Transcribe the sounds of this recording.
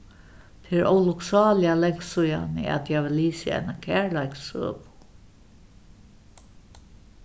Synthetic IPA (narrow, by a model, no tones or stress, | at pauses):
t̪ʰɪɾɔ̰wlʊksɑːlɪalɛŋ̥ksuja̰nɪ̰a̰t̪jaʋɪliːsɪa̰jnakʰæːɹlajksø̰ːpʊ̥